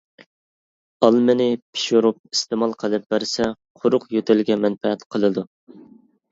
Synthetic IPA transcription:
ɑlˠmɪnɪpʰi̥ʃuɾup̚ist̪ɪmɑlˠqʰəlˠɨp̚bæɾsɛ | qʰʊɾʊqjøt̪ʰɪlɡʲɛmɛnfɛɛt̪qʰəlˠɨd̪u

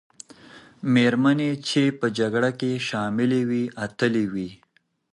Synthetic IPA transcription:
meɾmanet͡ʃepəd͡ʒaɡɽakeʃɑmɪlewiat̪əlewi

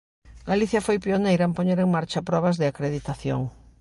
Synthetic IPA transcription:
ɡaliθjɐfojpionejɾɐempoɲeɾeŋmaɾt͡ʃɐpɾɔβ̞ɐzðɪakɾeðit̪aθjo̰ŋ

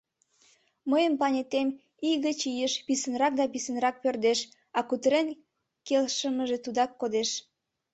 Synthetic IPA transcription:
məjəmpɑnʲet̪em | iɣət͡ɕijəʃpisənrɑk̚d̪ɑpisənrɑk̚pørd̪eʃ | ɑkut̪əɾen | kelʃəməʒet̪ud̪ɑkːod̪eʃ

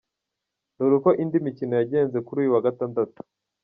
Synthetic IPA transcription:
nuɾuko̞ʔindimicinojaɟe̞ːnze̞kuɾuːjuwaɡataːndatu̥

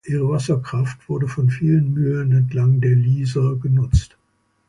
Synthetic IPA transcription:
ʔiːʁ̞əvasɐkʁ̥aftv̥ʊɐdəfɔnfiːlənmyːɐnɛntʰlaŋdeːɐliːzɐɡənʊt͡st

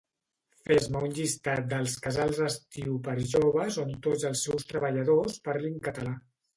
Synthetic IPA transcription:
fezməunʎist̪at̪̚d̪əlˠskəzalˠzəst̪iwpəɾʒoβəsont̪odd͡zəlˠsːɛwst̪ɾəβəʎəðospaɾliŋkət̪əla

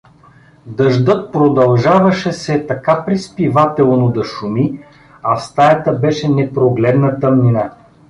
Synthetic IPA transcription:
d̪ɐʒd̪ɤt̪̚pɾod̪ɐlˠʒavɐʃɛsɛt̪ɐkapɾispivat̪ɛlˠnod̪ɐʃumi | ɐfst̪ajɐt̪əbɛʃɛnɛpɾoɡlɛd̪nət̪ɤmnina

